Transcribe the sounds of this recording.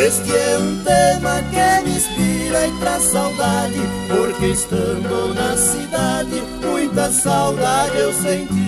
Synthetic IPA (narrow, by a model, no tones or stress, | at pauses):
eskɪɛũt̪emɐkemĩspiɾaip̪ɾɐsawd̪ad͡ʒɪpoɾkeist̪ɐ̃nd̪onɐsid̪ad͡ʒɪ | mũj̃t̪ɐsawd̪avewsẽni